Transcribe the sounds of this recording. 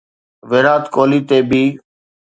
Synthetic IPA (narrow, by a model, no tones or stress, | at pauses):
ʋeːɾaːt̪koːliːt̪eːbiː